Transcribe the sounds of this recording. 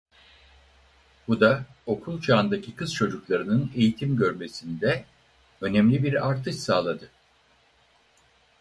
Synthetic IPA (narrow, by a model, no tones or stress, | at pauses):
b̥ud̪ao̞kʰulˠt͡ʃʰaːnd̪acʰikɯz̥t͡ʃʰo̞d͡ʒuklˠaɾɯnɯne̞jit̪ʰimɟø̞ɾme̞sind̪ɛ | ø̞nɛmlʲibiɾaɾt̪ʰɯʃsaːlˠad̪ɯ